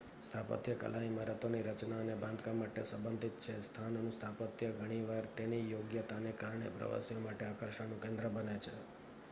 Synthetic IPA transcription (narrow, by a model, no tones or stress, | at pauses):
st̪ʰapə̰t̪jəkə̰laiməɾət̪oniɾət͡ʃnaənebãnd̪kamaʈesəmbənd̪ʱit̪̚t͡ʃʰest̪ʰanonũst̪ʰapət̪jəɡʱəɽ̃iʋaɾt̪enijoɡjət̪anekaɾɳḛpɾə̰ʋa̰sijomaʈeakəɾʃənũkẽnd̪ɾəbənet͡ʃʰe